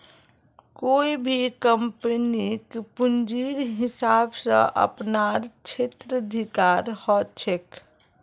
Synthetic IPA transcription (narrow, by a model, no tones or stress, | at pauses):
koːibʱikəmpənikpund͡ʒiɾɦɪsabsə̰̃ʔə̰pnaɾt͡ʃʰet̪ɾəəd̪ʱikaɾhɔt͡ʃʰek